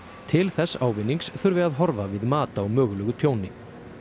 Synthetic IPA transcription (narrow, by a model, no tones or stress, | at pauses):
t̪ʰɪlθɛsːaːwvɪnːiŋksθʏɾvɪaðɦɔɾvavɪðmaːt̪aɔwmœːɣʏlœːɣʏt̪ʰjoːwnɪ